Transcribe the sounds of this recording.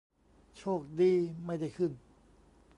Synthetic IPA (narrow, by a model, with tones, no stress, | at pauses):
t͡ɕʰoː˥˩k̚diː˧ma˥˩jda˥˩jkʰɯ˥˩n